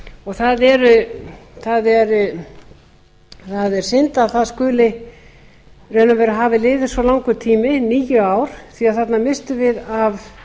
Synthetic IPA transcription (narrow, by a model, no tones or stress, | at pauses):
ɔɣθaðɛɾʏθaðɛɾ | θaðɛɾ̥sɪnt̪aθaðskʏːlɪ | renavɛɾaɦaːvɪlɪːvɪ̥svɔlawŋkʏt̪ʰiːmɪniːjʏaːwɾ̥θiaðθat̪namɪst̪ʏvɪðav